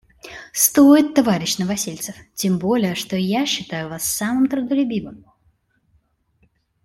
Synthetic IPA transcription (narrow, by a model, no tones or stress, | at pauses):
st̪o̞ɪt̪ːɐvaɾʲɪɕnəvɐsʲilʲt̪sɨftʲembo̞lʲɪjəʂt̪o̞jaɕːɪt̪ajʊvasːamɨmt̪ɾʊd̪əlʲʉbʲimɨm